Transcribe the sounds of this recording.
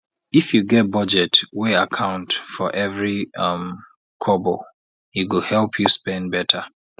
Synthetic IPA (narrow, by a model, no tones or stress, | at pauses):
ifjuɡɛt̚bʌd͡ʒɛtweakʰãʊ̃ntfɔʔɛvɹiʌm | kʰɔbɔ | iwəhɛlˠpʰjuspɛ̃nbɛtʰə